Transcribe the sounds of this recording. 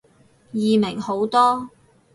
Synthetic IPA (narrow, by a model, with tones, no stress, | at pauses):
jiː˨mɪ˨˩ŋho˨˥wt̪ɔː˥